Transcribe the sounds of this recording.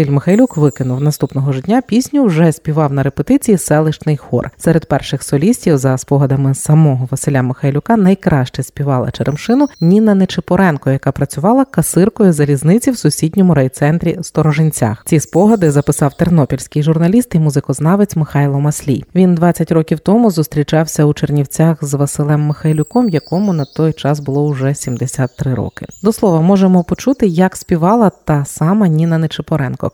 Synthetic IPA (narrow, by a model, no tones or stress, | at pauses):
sɪlʲmɪxɐjlʲukʋɪkɪnʊwnɐst̪upnɔɦɔʒʐɪdʲnʲapʲisʲnʲʊwʒɛsʲpʲiʋɑwnɐɾepet̪ɪt͡sʲijisɛlˠɪʃt͡ʃnɪjxɔ̰rsɛɾed̪̚pɛrʃɪxsɔlʲisʲtʲiwzɐspɔɦɐd̪ɐmɪsɐmɔɦɔʋɐsɪlʲamɪxɐjlʲʊkɑnɐjkɾɑʃt͡ʃɛsʲpʲiʋɑlˠɐ̰t͡ʃeɾemʃɪnʊnʲinɐnet͡ʃɪpɔɾɛnkɔjɐkɑpɾɐt͡sʲʊʋɑlˠɐkɐsɪrkɔjʊzɐlʲiznɪt͡sʲiwsʊsʲid̪ʲnʲɔmʊɾɛjt̪sɛnt̪ɾʲist̪ɔɾɔʒɪnʲt͡sʲa̰xt͡sʲispɔɦɐd̪ɪzɐpɪsɑwt̪eɾnɔpʲilʲsʲkɪjʒʊrnɐlʲist̪imuzɪkɔznɑʋet͡sʲmɪxɑjlˠɔmɐsʲlʲḭjʋʲind̪ʋɑt͡sʲːɐtʲrɔkʲiwt̪ɔmʊzʊst̪ɾʲit͡ʃɑwsʲɐut͡ʃernʲiwt͡sʲaxzʋɐsɪlˠɛmːɪxɐjlʲʊkɔmjɐkɔmʊnɐt̪ɔjt͡ʃɑzbʊlˠɔʊʐɛsʲimd̪esʲat̪ːɾɪɾɔ̰kɪd̪ɔslˠɔʋɐmɔʒemɔpɔt͡ʃut̪ɪjɐksʲpʲiʋɑlˠɐt̪ɐsɑmɐnʲinɐnet͡ʃepɔɾɛnkɔ̰